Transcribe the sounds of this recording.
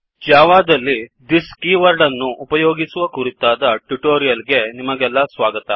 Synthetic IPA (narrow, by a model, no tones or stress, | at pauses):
d͡ʒaːʋaːd̪ɐlːid̪iskiːʋɐɾɖɐnːuʔupɐjoːɡisuʋɐkuɾit̪ːaːd̪ɐʈuʈoːɾijɐlɡe̞nimɐɡɛlːɐsʋaːɡɐt̪ɐ